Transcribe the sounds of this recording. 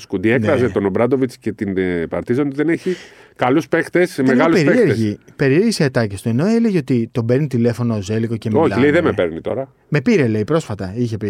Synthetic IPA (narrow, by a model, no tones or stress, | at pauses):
skud̪ieknkɾɐzet̪onobɾɐd̪o̞vit͡sce̞t̪inpɐ̰ɾt̪izɐnd̪ðe̞neçikɐluspekt̪esmeɣɐlupeseɾieɾʝipe̞ɾieɾɣiseːt̪ɐcest̪ue̞no̞e̞le̞ʝeot̪it̪o̞beɾnit̪ile̞fo̞noːze̞liɣoce̞mioçlileiðemepeɾnit̪o̞̰ɾɐ | me̞piɾe̞le̞ipɾo̞sfɐt̪ɐiçe̞pi